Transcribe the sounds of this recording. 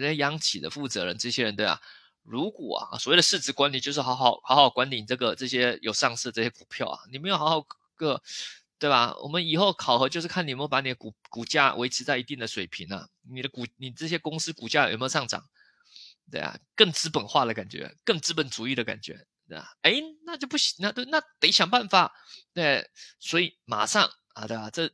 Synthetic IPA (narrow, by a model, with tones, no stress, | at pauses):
ɛ˥˧jɑ˧˥ŋt͡ɕʰi˨˩d̪ə̰˦fu˥˩t͡sɤ˧˥ɻə̰˧˦nʈ͡ʂɤ˥˩ɕjɛ˥ɻə˧˦nt̪we˥˩ɪa̰˨˩ | ɻu˧˥kwɔ̰˨˩ɐ̰˦˩swwe˥˩ə˧ʂɻ̩˥˩t͡sɻ̩˧˥kwa˥nli˨˩t͡ɕjo˥˧ʊʂ̬ɻ̩˥˩xɑ˧˥xɑ˧˩ʊxɑ˧˥xɑ˥˧˨kwa˥nt̪i˨˩n˩ɤ˥˩ɡə˩ʈ͡ʂɤ˥˩ɕjɛ˥jo˨˩ʊʂɑ˥˧ŋs̩˥˧ʈ͡ʂɤ˥˩ɕjɛ˥ku˨˩pʰjɑ˥˩ʊɐ̰˨˩ni˨˩me˧˥ɪjo˨˩xɑ˧˥xɑ˧˩ʊk | kə˥˧ | t̪we˥˩ɪbɐ˩wʔɔ̰˨˩mə˦ni˨˩xo˥˩ʊkʰɑ˨˩ʊxɤ˧˥t͡ɕjo˥˧ʊʂɻ̩˥˩kʰa˥˩n˨˩me˧˥jo˥˩ʊpa˧˥ni˨˩d̪ə˦ku˨˩ku˨˩t͡ɕja̰˥˩wʔe˧˥ɪʈ͡ʂ̩ʰ˧˥t͡sa˥˩ɪi˧˥t̪i˥˩ŋd̪ə˩ʂwe˨˩ɪpʰi˧˥ŋɐ̰˧˩ | ni˨˩d̪ə˦ku˨˩ni˨˩ʈ͡ʂɤ˥˩jɛ˥kʊ˥ŋsɹ̩˥ku˨˩t͡ɕja˥˩j̰m˧˥˨ʂɑ˥˩ŋʈ͡ʂɑ̰˨˩ŋ | t̪we˥˩ɪa̰˨˩kə˥˩ŋt͡sɹ̩˥pə˨˩nxwa˥˩d̪ə˩ka˨˩nt͡ɕɥɛ̰˧˥kə˥˩ŋt͡sɻ̩˥pə˨˩nt͡su˧˥i˥˩ɾə˩ka̰˨˩nt͡ɕɥɛ̰˧˥t̪we˥˩a̰˩e˧˥ɪna˥˧t͡ɕjo˥˧ʊp̬u˥˩ɕi˨˩na˥˧t̪wɪna˥˩t̪e˧˥ɪɕjɑ˨˩ŋpa˥˩nfa˨˩ | t̪we˥˧˩ɪswɔ˧˥i˨˩ma̰˨˩ʂɑ˥˩ŋ | a˧˩t̪we˥˩ɪba˩ʈ͡ʂɤ˥˩